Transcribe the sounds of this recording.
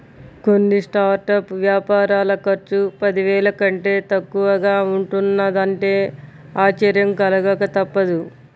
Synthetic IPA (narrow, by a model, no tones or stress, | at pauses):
ko̞nːisʈaːɾʈɐpʋjaːpaːɾaːlɐkɐɾt͡ʃupɐd̪iʋɛːlɐkɐɳʈe̞ːt̪ɐkːuʋɐɡaːuɳʈunːɐd̪ɐɳʈe̞ː | aːt͡ʃɐɾjɐmkɐlɐɡɐkɐt̪ɐpːɐd̪u